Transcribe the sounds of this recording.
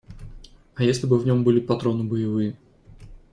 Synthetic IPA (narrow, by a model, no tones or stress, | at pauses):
ɐjesʲlʲɪbɨvnʲo̞mbɨlʲɪpɐt̪ɾo̞nɨbəjɪvɨjə